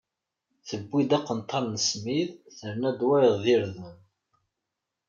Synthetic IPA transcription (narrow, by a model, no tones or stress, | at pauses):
θəbːid̪æqːənt̪ˤʰːɑɾˤnəsmiðθəɾnæd̪wæɾəʁðiɾðən